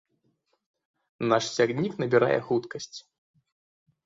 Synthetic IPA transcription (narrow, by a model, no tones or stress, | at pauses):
naʂsʲaɣnʲiknɐbʲiɾa̰jɛ̰xut̪kɐsʲt͡sʲ